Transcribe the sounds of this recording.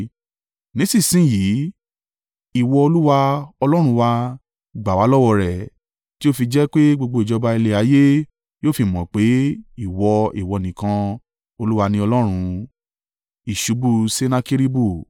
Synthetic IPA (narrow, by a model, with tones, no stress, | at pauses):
nĩ˨˦si˦˨sĩ˦˨jiː˨˦ | i˦˨wɔ˧o˧lu˦wa˧ɔ˧lɔ˦ɾ̃ũ˧wa˧ | ɡ͡ba˨wa˨˦lɔ˦wɔ˧ɾɛ˨ | ti˦o˦fi˧d͡ʒɛ˦k͡pe˦ɡ͡bo˧ɡ͡bo˧˨d͡ʒɔ˧ba˧i˧le˧a˨˦je˦ | joː˦˨fi˧mɔ̃˨k͡pe˨˦i˦˨wɔ˧i˨wɔ˨˧˨nĩ˨kã˧ | o˧lu˦wa˧nĩ˧ɔ˧lɔ˦ɾ̃ũ˧ | i˨ʃu˨˦bu˧se˦nã˧ki˦ɾi˦bu˦˨